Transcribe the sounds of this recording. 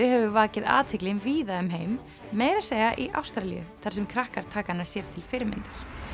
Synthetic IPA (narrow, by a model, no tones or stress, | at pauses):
ɪhɛvʏvaːcɪða̰ːt̪ʰɪklɪnviːðaʏmɦeːjmː | eːjɾaseːjɣaʔiʔa̰wst̪ɾalḭʏ̰θaɾ̥sɛmkʰɾahkaɾ̥t̪ʰaːkanːḁsjɛɾ̥t̪ʰɪlfɪɾmɪ̰nt̪aɾ̥